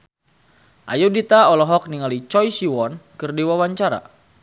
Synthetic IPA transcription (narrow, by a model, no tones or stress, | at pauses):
ʔa̰judit̪aɔlɔɦɔk̚niŋalit͡ʃɔjsiwɔnkɨrdiwawaɲt͡ʃaɾa̰